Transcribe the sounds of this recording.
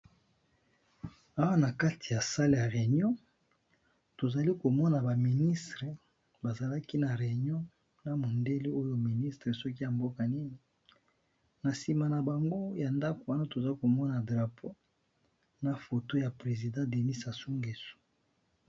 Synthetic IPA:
a˦wa˦na˨ka˦ti̥˨ja˨sa˦le˦˨ja˨ʁe˨ɲɔ̃˦ | to˨za˨li˦ko˨mɔ˦na˨ba˨mi˨ni˦stʁe˨ | ba˨za˨la˦ki˦na˨ʁe˨ɲjɔ̃˦ | na˨mo˨nde˦li˦o˦jo˦mi˨ni˦stʁe˨sɔ˦ki˦ja˨mbo˦ka˨ni˦ni˨ | na˨si˨ma˨na˨ba˨ŋɡo˦ja˨nda˦ko˨wa˦na˦to˨za˦ko˨mɔ˦na˨dʁa˨pʰo˦ | na˨fo˨to˦ja˨pʁe˨zi˨dɑ̃˦de˨ni˦sa˨su˦ŋɡe˨su̥˨

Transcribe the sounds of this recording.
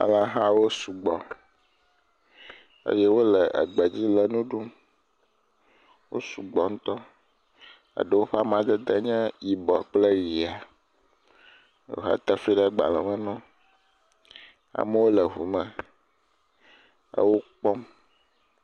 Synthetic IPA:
a̰˨lã˦ɦã˦wo˦su˨ɡ͡bɔ˨ | ḛ˦jɛ˦wo˦lə˨ʔə̰˨ɡ͡bə˨d͡ʑi˦lə˨nũ˦ɖu˦m | wo̰˦su˨ɡ͡bɔ˨ŋ̩̃˦t̪ɔ˦ | a̰˨ɖə˦wo˦ɸa˦m˦ã˨d̪ə˦d̪ə˦ɲɛ̃˦ji˨bɔ˨k͡ple˦ji˨a˨ | o̰˨ɦa̰˦t̪ə˦fi˦ɖə˦ɡ͡ba̰˨lɛ˨mə̃˦nɔ̃˦ | a̰˨mə˦wo˦lə˨ɦu˨mə̃˦ | ə̰˦wo˦k͡pɔ˦m

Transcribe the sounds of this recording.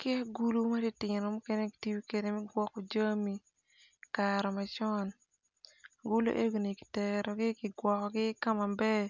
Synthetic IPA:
kɛ˦ɡu˦lu˦ma˦di˦tɪnɔ˨mu˦ke˦ne˦ki̥˨ti˦bi˦ke˨de˨mɛ˦ɡwɔ˦ko˨d͡ʒa˦mi˨ | kaɾɔ˨ma˨t͡ʃɔ˦n | ɡu˦lo̰˦ʔe˦ɡo˨ni˨kɪ̥˨tɛɾɔ˨ɡɪ˦kɪ˨ɡwɔ˨kɔ˨ɡɪ˦ka˦ma˨bɛ˦

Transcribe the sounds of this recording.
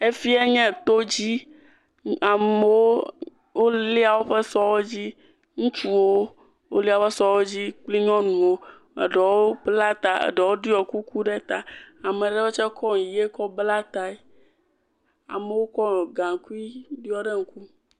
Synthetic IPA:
e˦fi˦e˦ɲɛ̃˦˨t̪o˦d͡ʑi˦ | a˨me˨˦wo˦ | wo˦le˦a˨wo˦ɸe˦sɔ˦wo˦d͡ʑi˦ | ŋũ˦t͡ʃu˦wo˦ | wo˦li˦a˨ɸe˦sɔ˦wo˦d͡ʑi˦k͡pli˦ɲɔ̃˦nũ˨wo˦ | ḛ˨ɖe˨wo˦bla˦t̪a˨ḛ˨ɖɔ˨wo˦ɖi˦ɔ˨ku˦ku˦ɖɛ˦t̪a˨a˨mẽ˨ɖɛ˦wo˦t͡ʃɛ˦kʰɔ˦ŋ˨je˦kɔ˦bla˦t̪a˦ɛ˦ | a̰˨me˨wo˦kɔ˦ɔ˨ɡã˨ŋ˨ku˦i˦di˦ɔ˦ɖe˦ŋ̩˦ku˦

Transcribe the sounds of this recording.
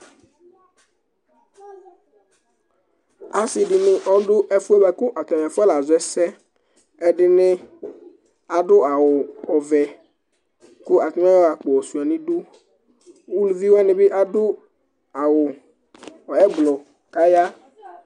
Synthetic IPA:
a˨sɪ˨ɖɪ˨nɪ˨ʔɔ˦ɖʊ˦ʔɛ˦fu˦ɛ˦ba˨kʊ˦ʔa˨t̪ɔ˨m˨a˨fʊ˦ɛ˦la˨zɛ˦sɛ˦ | ɛ˦ɖɪ˦nɪ̃˦ | a˨ɖʊ˦a˨wʊ˨ɔ˨vɛ˨ | kʊ˦a˨t̪ɔ˨m˦a˦a˨k͡po˨ɔ˨su˨a˨nĩ˦ɖʊ˦ | wo˦lu˨vi˦wnɪ̃˨be˦ʔa˦dʊ˦ | a˨wʊ˨ | ɛ˦ɡ͡blɔ˨ | ka˦ja˦

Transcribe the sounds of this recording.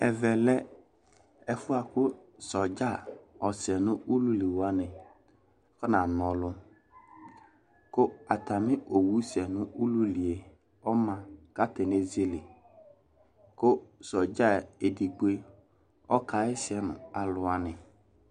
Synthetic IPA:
ɛ˨vɛ˨lɛ˦ | ɛ˨fʊ˦a˨kʊ˦sɔ˨d͡ʒa˦˨ɔ˨sɛ˨nʊ̃˦ʔu˦lu˦li˨wa˦nɪ̃˨ | kɔ˦nã˨nɔ̃˨lʊ˦ | kʊ˦a˨t̪a˨mɪ̃˦ʔo˨wu˦sɛ˨nʊ̃˦u˦lu˦li˨e˨ | ɔ˦mã˨ka˦tɛ˨ne˦ze˦lɪ˨ | kʊ˦sɔ˨d͡ʒa˦e˨di˨ɡ͡be˦ | ɔ˦ka˨ɪ˦sɪ˦ɛ˦nʊ̰̃˨a˨lʊ˨a˨nɪ̃˨

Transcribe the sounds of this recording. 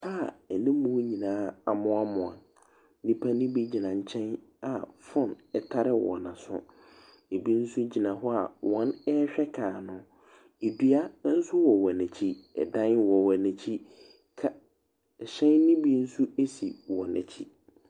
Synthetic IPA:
ha˦˨ɛ˨nɪ̃˦mũ˦ɲĩ˨nãː˦a̰˨mʊ̃˦a˦mʊ̃˨a˨ | nĩ˦pʰa˦nĩ˦bi˦d͡ʑi˨nã˨ɲ̩˨t͡ɕʰɛ̃˦n | a˨fʊ̃˦nɛ˨tʰa˦ɾɪ˦wɔ̰˨nã˨sʊ̰̃˦ | e˨bi˦n̩˦su˦d͡ʑi˨nã˨ɦɔ˦a̰˨wɔ̃˦nɛ˦ɕᶣɛ˦kʰaː˨nʊ̃˨ | e˨dɥa˦n̩˦sʊ˦wɔ˨wɔ˨nɛ̃˨t͡ɕʰi˦ɛ̰˨dã˦nwɔ˨wɔ˨nɛ˨t͡ɕʰi˦ | kʰa˦˨ | ɕɛ̃˦nːĩ˦bi˦n̩˦su˦e˦sḭ˨wɔ˨nɛ̰̃˨t͡ɕʰi˦

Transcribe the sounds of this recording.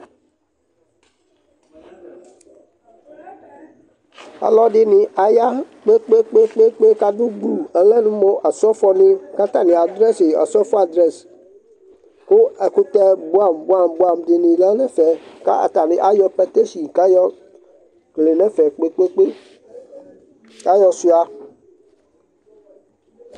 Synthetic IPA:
a̰˨lɔ˦dɪ˦nɪ˨ʔa˨ja˦k͡pe˦k͡pe˦k͡pe˦k͡pe˦k͡pe˦ka˦du˦ɡ͡bu˨ɛ˨lɛ˦nũ˦mɔ˦ʔa˨sɔ˦fɔ˦nɪ̃˦ka˦t̪a˦˨nɪ̃˨a˨dɾɛ˦si˨a̰˨sɔ˦fɔ˦a˨dɾɛ˨s | kʊ˦ɛ˨ku˦t̪ɛ˦bu˦a˦˨mba˦˨mbu˦a˨mdɪ˨nĩ˨lɛ˦nɛ˦fɛ˨ka̰˦a̰˨t̪a˨nĩ˨ʔa˦jɔ˦pɛ˦t̪e˦si˨ka˦jɔ˦ | kle˨nɛ˦fɛ˨k͡pe˦k͡pe˦k͡pe˦ | ka˦jɔ˦su˦a˨

